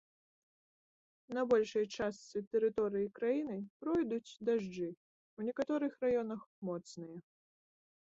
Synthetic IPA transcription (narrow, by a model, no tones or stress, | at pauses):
nɐbɔlʲʂɐjt͡ʂast̪sɨt̪ɛɾɨt̪ɔɾɨjikɾajinɨpɾɔjd̪ut͡sʲd̪aʐd͡ʐɨ | wnʲɛkat̪ɔɾɨxɾajɔnɐxmɔt̪snɨjɐ